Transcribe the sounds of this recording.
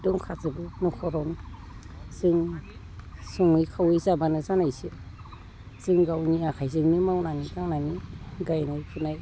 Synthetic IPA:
dɔŋkʰazɯbɯnɔkʰɔɾawnɯ | z̥ɯŋ | sɔŋmɯjkʰawezabanɯzanajsɯ | z̥ɯŋɡawniakʰajzɯŋnɯmawnanikaŋnaniɡajnajpʰunaj

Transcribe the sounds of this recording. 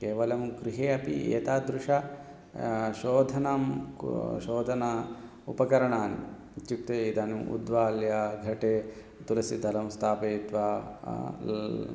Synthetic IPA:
keːʋɐlɐmuɡɾiɦeːɐpḭḛːt̪aːd̪ɾuʂɐ | ʃoːd̪ʱɐnam | ʃoːd̪ʱɐnɐ | upɐkɐɾɐɳaːn | t͡ʃuk̚t̪eid̪aːnuṵd̪ʋaːljaɡʱɐʈeː | t̪ulɐsid̪ʱɐlɐmst̪ʰaːpeːt̪ʋaː

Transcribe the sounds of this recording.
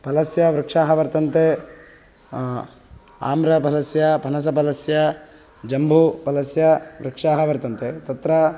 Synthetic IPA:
pɐlɐsjɐʋɾɪkʂaːɦɐʋɐɾt̪ɐnt̪e | a̰ːmɾɐpɐlɐsjɐpɐnɐs̬ɐpɐlɐsjɐ | d͡ʒɐmbʱupɐlɐsjɐʋɾɪkʂaːɦɐʋɐɾt̪ɐnt̪et̪ɐt̪ɾɐ

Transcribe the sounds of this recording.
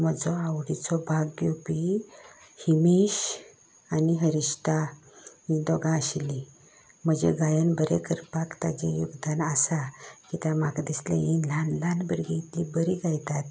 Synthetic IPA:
məd͡zɔawɽit͡sɔbʱaɡɡjopi | himiɕ | aniɦəɾiɕt̪a | id̪ɔɡãəɕili | m̤əd͡ʑḛɡajənbəɾekəɾpakt̪ad͡ʑejuɡd̪anasakit̪amaɡd̪islḛinlanlanbəɾɡejt̪libəɾiɡajt̪at̪

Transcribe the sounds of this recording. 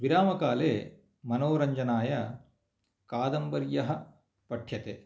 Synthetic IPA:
ʋiɾaːmɐkaːleː | mɐnoːɾɐɲd͡ʒɐnaːjɐ | kaːd̪ɐmbɐɾjɐɦɐ | pɐʈʰjɐt̪e

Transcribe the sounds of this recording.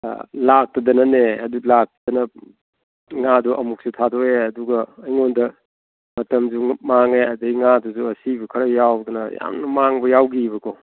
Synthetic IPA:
lak̚tɐdɐnɐneɐdulak̚tdɐnɐ | ŋaduʔɐmuk̚sutʰadoeɐduɡɐːjŋondɐ | mɐtɐmd͡ʒumaŋeɐdɐiŋaduzuɐsibɐkʰɐɾɐjawdunɐja̰mnɐmaŋbɐjawɡiβɐkʰo

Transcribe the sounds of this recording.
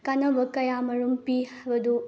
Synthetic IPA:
kɐnɐʋɐkɐjaːmɐɾumpihɐʋɐd̪u

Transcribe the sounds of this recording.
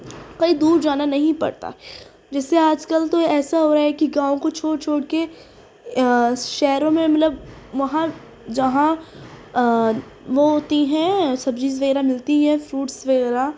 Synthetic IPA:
koːid̪uːɾd͡ʒaːnanɐɦĩpɐ̰ɽt̪a̰ | d͡ʒɛːseaːd͡ʒkəlt̪oɛːsaɦoːɾaɦɛkiɡãːõkot͡ʃʰoːɽt͡ʃʰoːɽke | ʃɛːɾõmẽmɐt̪ləb | ʋɐɦã | d͡ʒɐɦã | ʋoɦoːt̪iɦɛ̃sɐb̚t͡ʃiːzʋɐɣɛːɾamɪlt̪iɦɛ̃fɾuːʈsʋɐɣɛːɾa

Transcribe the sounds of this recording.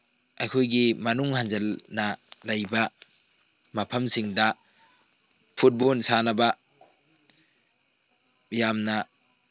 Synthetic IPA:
ɐjkʰojɡimɐnuŋhanzelnɐlɐjbɐ | mɐpʰɐmsiŋdɐ | pʰut̚bonsanɐbɐ | jamnɐ

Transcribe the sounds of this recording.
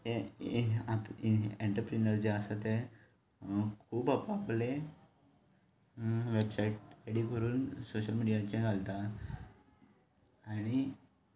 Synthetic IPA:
e | at̪eɳʈəɾpɾinəɾd͡ʑeəsat̪e | kʰuːbapaple | ʋebsaiʈ̚eɽikəɾuːnsoɕəlmiɽijat͡ɕẽɡʱalt̪a | aɽ̃i

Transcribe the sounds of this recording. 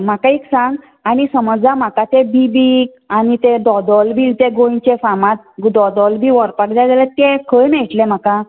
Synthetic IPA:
m̤akaiksãŋɡ | anisəməd͡z̪am̤akat̪ebibik | anit̪ed̪ɔd̪ɔlbiːlt̪eɡõt͡ɕefamãt̪̚d̪ɔd̪ɔlbʱiʋɔɾpakd͡zad͡z̪alet̪̚kekʰəjnaiʈlẽm̤aka

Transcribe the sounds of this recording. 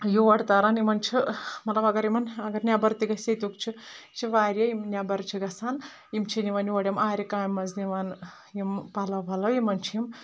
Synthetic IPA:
juʋɐɽt̪aːɾanimɐnt͡ʃʰimɐt̪lɐbɐɡɐɾimɐnɐɡɐɾnʲjaːbɐɾt̪iɡɐsʲɐt̪ʲukt͡ʃʰit͡ʃʰiʋaːɾʲjɐjimnʲaːbɐɾt͡ʃʰiɡɐsaːn | imt͡ʃʰiniʋɐnʋɐɽjimaːɾʲikaːjmɐzniʋan | jimpalɐbʱɐlɐjimɐnt͡ʃʰiim

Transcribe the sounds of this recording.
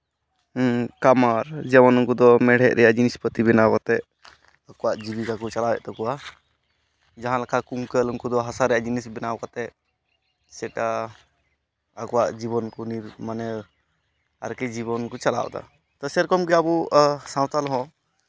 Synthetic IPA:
kamaɾd͡ʒɛmanɔŋkud̪ɔmɛɽ̤ɛʔ̚ɾɛjaʔd͡ʒinispət̪ibɛnawat̪ɛʔ | akɔwaʔd͡ʒibikakut͡ʃalabɛ̰ʔt̪ɔkɔwa | d͡ʒaɦãlakʰakuŋkəluŋkud̪ɔɦasaɾɛjaʔd͡ʒinisbɛnawkat̪ɛ | sɛʈa | akɔwaʔd͡ʒiβɔnkɔniɾmanɛ | a̰ɾkɛd͡ʒibɔnkɔt͡ʃala̰w̰d̪a̰ | t̪ɔsɛɾkɔmɡɛabusãw̃t̪alɦɔ̃

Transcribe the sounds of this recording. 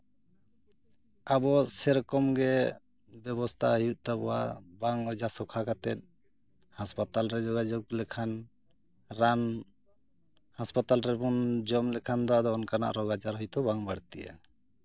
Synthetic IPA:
abɔsɛɾkɔmɡɛ | bɛbɔst̪ʰaɦijuʔ̚t̪abɔwabaŋɔd͡ʒasɔkʰakat̪ɛt̪̚ˀ | haspat̪alɾɛd͡ʒɔɡad͡ʒɔɡ̚lɛkʰan | ɾan | haspat̪alɾɛbund͡ʒɔmlɛkʰand̪ɔad̪ɔːnkana̰ʔɾɔɡad͡ʒaɾɦɔjt̪ɔbaŋbaɽt̪iʔa̰

